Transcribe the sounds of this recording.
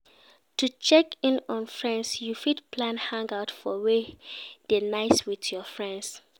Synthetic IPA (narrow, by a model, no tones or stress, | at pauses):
tut͡ʃɛkĩnɔ̃nfɹɛ̃nsjufidpʰlãnhãŋɡaʊtfɔwed̥enaɪswiθjɔfɹɛ̃ns